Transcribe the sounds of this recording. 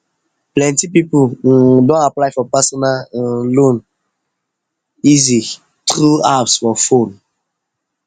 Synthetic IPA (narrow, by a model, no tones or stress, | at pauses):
plɛ̃ntipipudɔ̃naplajfɔpasɔ̃nanlon | izi | tʁuapsfɔfon